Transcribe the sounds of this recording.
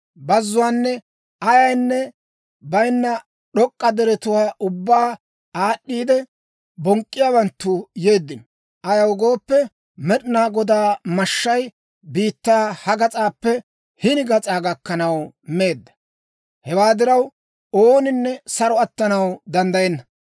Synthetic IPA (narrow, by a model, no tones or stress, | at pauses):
bɐzːʊwaːnːɛ | ɐjɐjnːɛ | bɐjnːɐ | ɗɔkʼːɐd̪ɛɾɛt̪ʊwaːʔʊbːaː | aːɗːiːd̪ɛ | bɔŋkʼːɪjaːwɐnt̪ːʊje̞ːd̪ːɪn | ʔɐjɐwɡo̞ːpːɛ | mɛɗɪnaːɡɔd̪aːmɐʃːɐj | biːt̪ːaːhɐɡɐt͡sʼaːpːɛ | hɪnɪɡɐt͡sʼaːɡɐkːɐnɐw | me̞ːd̪ːɐ̥ | hɛwaːd̪ɪɾɐw | oːnɪnːɛsɐɾɔɐt̪ːɐnɐwd̪ɐnd̪ɐjɛnːɐ